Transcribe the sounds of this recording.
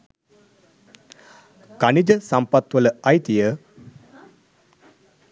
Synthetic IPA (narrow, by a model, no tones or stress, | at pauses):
kɐnid͡ʒəsɐmpɐt̪wɐləɐjt̪ijə